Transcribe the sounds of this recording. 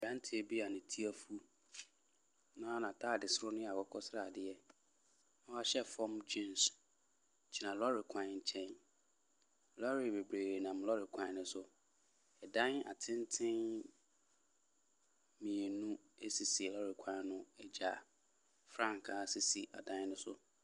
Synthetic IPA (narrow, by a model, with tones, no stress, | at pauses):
ɛ˨ɾã˦n˦tʰɪ˨˦e˨bi˦a˨nɪ̃˨tʰi˦a˦fu˦ | nã˦nã˨tʰa˦˨dɪ˨sɾʊ˦nʊ̃˦a˨wɔ˦kʰɔ˦sɾa˨dɪ˨ɛ˦ | nã˦a˦ɕɛ˦fɔ̃˦md͡ʑĩ˦n˨s | t͡ɕʰi˨nã˨lɔ˦ɾɪ˨kʰã˨n˨t͡ɕʰɛ̃˦n˨ | lɔ˦ɾɪ˨be˨bɾeː˨ɾe˨nã˨mlɔ˦ɾɪ˨kʷʰã˨˦˨nʊ̃˦sʊ˦ | ɛ˨dã˦na̰˨tʰɪ̃˦ntʰɪ̃˦n | mĩ˨e˨nũ˦ | e˦si˨si˨lɔ˦ɾɪ˨kʰã˨˦nʊ̃˦ɛ˦d͡ʑa˨ | fɾã˦ŋkʰa˦si˨si˨ʔa̰˨dã˦n˦nʊ̃˦sʊ˦